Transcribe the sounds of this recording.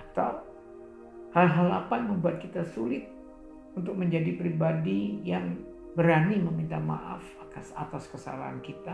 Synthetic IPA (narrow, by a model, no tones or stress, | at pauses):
at̪aw | halɦalapanməmbuat̪̚kit̪asulɪt̪̚ | unt̪ʊk̚məɲd͡ʒadipɾibadijaŋ | bəɾaniməmint̪ama̰ʔa̰fak̪asa̰t̪askəsa̰la̰ɦa̰nkit̪a